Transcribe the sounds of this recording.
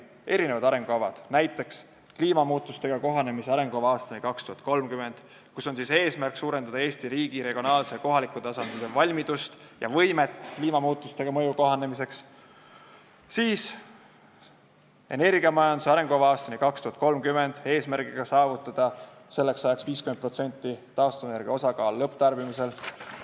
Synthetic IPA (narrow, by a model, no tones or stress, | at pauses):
e̞ɾine̞vɑd̪ɑɾe̞ŋɡ̥oɑvɑ̰d̪̥næjt̪ːˑe̞ks | kliːmɑmuːt̪ːˑust̪e̞ɡ̥ɑko̞ɦɑne̞miseɑɾe̞ŋɡ̥uovɑɑːst̪ɑnikɑkst̪uhɑt̪̚ˑkolmkyme̞nd̪̥ | kuso̞nsise̞ːsmærksuːɾe̞nd̪̥ɑd̪ɑe̞ːsʲt̪iɾiːɡ̥iɾe̞ɡ̥ionɑːlse̞ko̞ɦɑlikːˑut̪ɑsɑnd̪lise̞vɑlʲmid̪̥ust̪jɑ̰vɤjme̞t̪ːˑkliːmɑmuːt̪ːˑust̪e̞ɡ̥ɑmɤ̞juko̞ɦɑne̞mis̬e̞ks | siːs | e̞ne̞rɡiɑmɑjɑnd̪useɑɾe̞ŋɡ̥ovɑɑːst̪ɑnikɑkst̪uhɑt̪̚ko̞lmkyme̞nd̪̥e̞ːsmærɡ̥iɡ̥ɑsɑːvut̪ːˑɑd̪̥ɑ | se̞lːe̞ksɑjɑksviːskymenpro̞t̪se̞nʲt̪ːˑit̪ɑːst̪uvene̞ɾɡ̥iɑo̞sɑkɑːlːɤpːt̪ɑrb̥imise̞l